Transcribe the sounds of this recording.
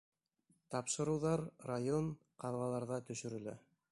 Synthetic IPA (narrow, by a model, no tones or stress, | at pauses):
t̪ɑpʃɤ̆ɾɤ̆wðɑɾrajon | qɑðʁɑlˠɑɾðɑt̪ɵ̆ʃɵ̆ɾɘ̆læ̰